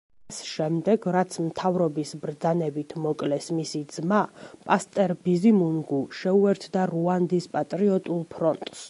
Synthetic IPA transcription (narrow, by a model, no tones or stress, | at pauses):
sʃɛmd̪ɛɡɾat̪sʰmt̪ʰavɾɔbisbɾd̪zanɛbit̪ʰmɔkʼlɛsmisid̪z̥mapʼast̪ʼɛɾbizimunɡuʃɛuɛɾt̪ʰd̪aɾuand̪ispʼat̪ʼɾiɔt̪ʼulˠpʰɾɔnt̪ʼs